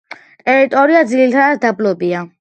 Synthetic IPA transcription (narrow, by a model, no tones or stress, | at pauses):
t̪ʼɛɾit̪ʼɔɾiad̪zilit̪ʰaat̪ʰd̪ablɔbia